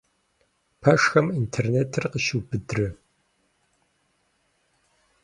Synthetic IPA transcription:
pʰɐʂxɐmintʰerneːtʰɨrqəʃɪbɨdrɨ

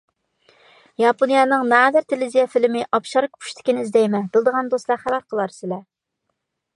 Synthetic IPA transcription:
jɑponijɑnɨŋnɑd̪æɾt̪ʰelɪzijɛfɪlɪmɪʔɑpʃɑɾkʲʰpʰu̥ʃt̪ʰɪ̥kʲinɪizd̪ɛjmɛbɪlˠd̪əʁɑnd̪oslˠɑχælæɾqʰəlˠɑɾsɪlɛ

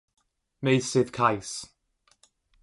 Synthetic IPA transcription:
mejsɪð̥kʰajs

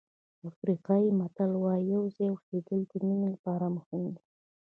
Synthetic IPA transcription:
afɾiqɑjimat̪alwɑjawzejwʊsed̪əld̪əminilapɑɾaməxund̪i

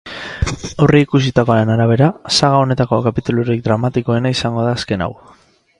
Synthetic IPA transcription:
o̞riːkusit̪ako̞aɾe̞naɾaβ̞e̞ɾasaɣao̞ne̞t̪ako̞kapit̪uluɾik̚d̪ɾamat̪iko̞e̞naisaŋɡo̞ðaːske̞na̰w

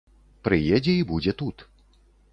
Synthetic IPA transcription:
pɾɨjɛd͡zʲɛibud͡zʲɛt̪ut̪

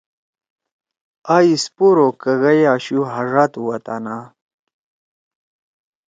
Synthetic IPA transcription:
aispuɾokɐɣɐjaːɕuɦɐʐat̪uwɐt̪a̰na

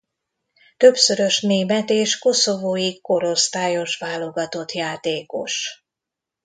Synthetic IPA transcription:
t̪ø̞bsø̞ɾø̞ʃneːmɛt̪eːʃko̞so̞voːjiko̞ɾo̞st̪aːjo̞ʃʋaːlo̞ɡɒt̪o̞t̪jaːt̪eːko̞̰ʃ

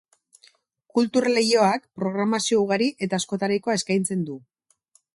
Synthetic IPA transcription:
kult̪uɾle̞jo̞akpɾo̞ɣɾamasio̞uɣ̞aɾiʔe̞t̪aːsko̞t̪aɾajko̞ae̞skajnt͡se̞nd̪u

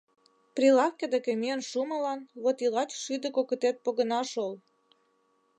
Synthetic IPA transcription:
prilɑfkʲĕd̪ekəmiənʃumə̆lɑnβot̪ilɑt͡ɕʃyd̪ə̆kokə̆t̪et̪̚poɣə̆nɑʃol

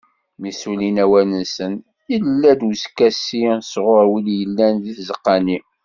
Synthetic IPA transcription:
misulinæwænənsən | ilːæd̪wskæsisʁʊɾwiljəlːænðiθzəqːɑni

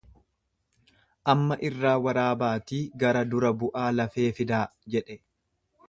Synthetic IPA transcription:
ʔɐmːɐʔɪrːaːwɐɾaːbaːt̪iːɡɐɾɐd̪ʊɾɐbʊʔaːlɐfe̞ːfɪd̪aːd͡ʒɛᶑɛ

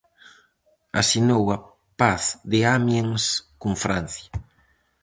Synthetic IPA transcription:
a̰sinowa | paθd̪eamjeŋskuŋfɾanθja

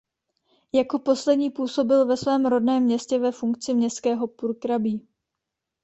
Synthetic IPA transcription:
jako̞po̞slɛdɲiːpuːso̞bɪlvɛsvɛːmɾo̞dnɛːmːɲɛscɛvɛfuŋkt͡sɪmɲɛstkɛːɦo̞puɾkɾabiː

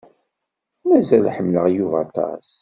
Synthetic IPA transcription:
mæzælħəmːləʁjuvɑt̪ɑ̰s

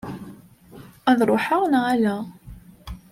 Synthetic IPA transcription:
æðɾˤoħəʁnʁælæ

